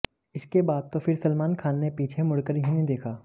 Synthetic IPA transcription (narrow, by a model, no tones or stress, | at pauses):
ɪskebaːd̪̚t̪ofʰɪɾsɐlmaːnkʰaːnːepiːt͡ʃʰemʊɽkəɾɦĩnĩd̪eːkʰaː